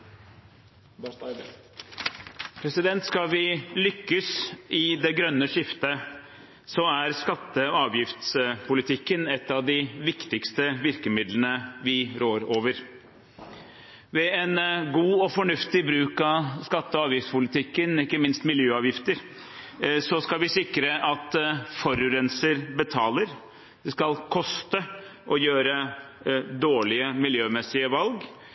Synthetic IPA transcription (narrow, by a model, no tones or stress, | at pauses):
pʰɾɛsɪd̪ɛnt̪skɑlʋɪlʏkːəsɪd̪ɛɡɾœnːəʂɪft̪ə | sɔæɾskɑt̪ːəɑːʋjɪft̪spʰʊlɪt̪ʰɪkːənɛt̪ːɑʋd̪ɪʋɪkt̪ɪkst̪əʋɪɾkəmɪd̪lənəʋɪɾoːɾoːʋəɾ | ʋɛɛnɡuːɔfɔɳʉft̪ɪbɾʉːkɑskɑt̪ːəɑːʋjɪft̪pʊlɪt̪ʰɪkːənɪkːəmɪnst̪mɪljøːɑːʋjɪft̪əɾ | sɔskɑlʋɪsɪkɾəʔɑt̪fɔɾʉɾɛnsəɾbət̪ʰɑːləɾ | d̪̥ɛskɑlkʰɔst̪əʔɔjøːɾə | d̪oːɭɪəmɪljøːmɛsɪəʋɑlɡ